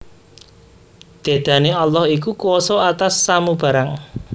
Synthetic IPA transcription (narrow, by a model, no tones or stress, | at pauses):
d̪̥e̤d̪̥a̤nealːɔhik̬ukuwɔsɔat̪asːamub̥ä̤ɾaŋ